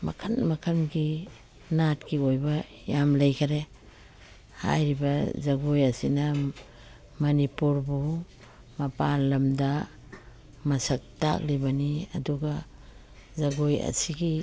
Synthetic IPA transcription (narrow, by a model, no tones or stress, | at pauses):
ma̰kʰanmɐkʰanɡi | natkiojba | jamlajkʰaɾe | ha̰jɾibɐzaɡojasina | mɐnipuɾbu | mɐpalɐmda | mɐsak̚ta̰k̚libaniɐ̰duɡa | zaɡoja̰siɡi